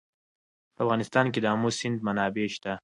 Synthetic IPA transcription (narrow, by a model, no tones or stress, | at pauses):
pəafɣɑnɪst̪ɑnked̪əɦamosɪnd̪̚manɑːbeʃt̪a